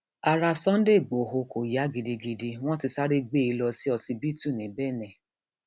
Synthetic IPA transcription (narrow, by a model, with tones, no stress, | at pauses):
a˧ɾa˧sɔ̃˦n̩˦de˦˨ɡ͡bo˨ɦo˧ko˨ja˨˦ɡi˧di˧ɡi˧di˧w̃ɔ̃˦ti˧sa˦ɾe˦ɡ͡be˦˨i˧lɔ˧si˦ɔ˧sĩ˧bi˦tu˦˨nĩ˨˦bɛ˦˨nɛ̃˨